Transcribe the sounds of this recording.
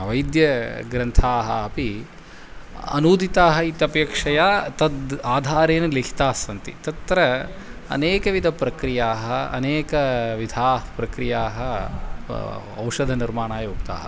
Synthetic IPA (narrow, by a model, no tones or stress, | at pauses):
ʋɐjd̪jɐɡɾɐnt̪ʰaːɦɐ̰ɐpi | ɐ̰nuːd̪it̪aːɦɐit̪ɐpeːkʂɐjaːt̪ɐd̪aːd̪ʱaːɾeːnulekʰi̥t̪aːsɐnt̪ḭt̪ɐt̪ɾɐ | ɐ̰neːkɐʋid̪ʱɐpɾɐkɾijaːɦɐɐ̰neːkɐʋid̪ʱaːɦɐpɾɐkɾijaːɦɐ | ɐ̰wʂɐd̪ʱɐniɾmaːnaːjoːk̚t̪a̰ːɦɐ̰